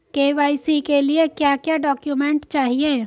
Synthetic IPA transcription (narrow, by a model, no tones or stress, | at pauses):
keːʋaːisikeliekjaːkjaːɖɔːkjumẽɳʈt͡ʃaːɦieː